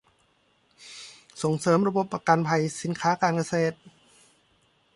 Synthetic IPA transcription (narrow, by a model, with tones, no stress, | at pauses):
so˨˩˦ŋsɤː˩˦mɾa˧bo˧˦p̚ːa˧ka˧npʰa˧jsi˨˩˦nkʰaː˩˦˥kaː˧nka˧seː˧˩t̪̚